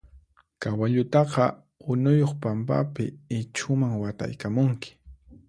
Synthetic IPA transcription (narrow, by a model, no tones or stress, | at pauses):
kawaʎʊt̪ɑqɑ | ʊnʊjoχpampa̰pɪɪt͡ʃʰʊmaŋwat̪a̰jkamʊŋkɪ̥